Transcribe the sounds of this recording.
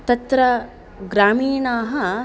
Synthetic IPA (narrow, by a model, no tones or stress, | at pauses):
t̪ɐt̪ɾɐ | ɡɾaːmiːnaːɦɐ